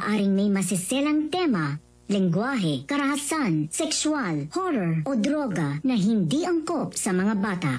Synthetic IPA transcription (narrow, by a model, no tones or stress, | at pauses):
ʔaːɾɪŋmɐjmɐsɪsɛlɐŋt̪ɛmɐ | lɪŋɡwaːɦɛkɐɾɐhɐsansɛkswalhoɾɛɹʔod̪ɾoɡɐnɐɦɪnd̪iʔɐŋkopsɐmɐŋabaːt̪a̰ʔ